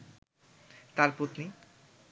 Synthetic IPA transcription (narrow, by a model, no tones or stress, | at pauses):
t̪aɾpɾot̪ni